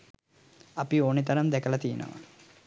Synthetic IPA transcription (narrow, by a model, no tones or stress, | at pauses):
apioːnit̪ɐɾɐnd̪ɛkəlɐt̪ijenə̰ʋa̰